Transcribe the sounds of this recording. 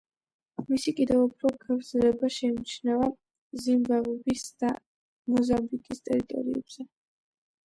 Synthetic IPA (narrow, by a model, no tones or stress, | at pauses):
misikʼid̪ɛvupʰɾɔɡavɾzlɛbaʃɛmit͡ʃʰnava | zimbavɔbisd̪̥a | mɔzambikʼist̪ʼɛɾit̪ʼɔ̰ɾiɛ̰b̥z̥ɛ